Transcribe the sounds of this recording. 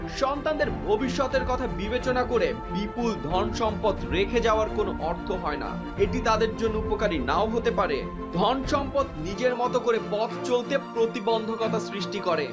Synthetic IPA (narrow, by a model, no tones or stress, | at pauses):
ʃɔnt̪and̪eɾbʱobiʃːɔt̪eɾkɔt̪ʰabibet͡ɕonakoɾebipuld̪ʱɔnʃɔmpod̪ɾekʰed͡ʑaoaɾkonoʔɔɾt̪ʰoɦɔena̰ | eʈit̪ad̪eɾd͡ʑonːoupokaɾinaoɦot̪epaɾe | d̪ʱɔnʃɔmpod̪nid͡ʑeɾmɔt̪okoɾepɔt̪ʰt͡ɕolt̪epɾot̪ibond̪ʱokɔt̪ʰasɾiʃʈikɔɾe